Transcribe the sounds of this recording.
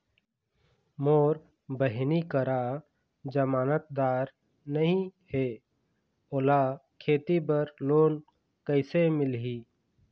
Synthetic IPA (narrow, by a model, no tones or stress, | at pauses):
moːɾ | bəɦnikəɾa | d͡ʒəmaːnət̪̚d̪aːɾ | nəɦĩheː | oːlaːkʰeːt̪ibəɾloːn | kəɪsemɪlɦiː